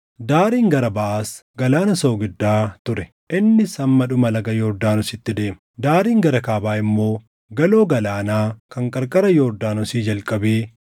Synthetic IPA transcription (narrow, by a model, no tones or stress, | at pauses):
d̪aːɾiːŋɡɐɾɐbɐʔaːsɡɐlaːnɐso̞ːɡɪd̪ːaːt̪ʊɾɛ | ʔɪnːɪsɐmːɐᶑʊmɐlɐɡɐjoːɾd̪aːnʊsɪt̪ːɪd̪e̞ːmɐ | d̪aːɾiːŋɡɐɾɐkaːbaːɪmːo̞ː | ɡɐlo̞ːɡɐlaːnaːkɐŋkʼɐɾkʼɐɾɐjoːɾd̪aːnʊsiːd͡ʒɐlkʼɐbeː